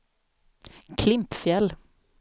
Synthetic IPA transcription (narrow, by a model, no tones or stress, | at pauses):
kʰlɪmpfjɛl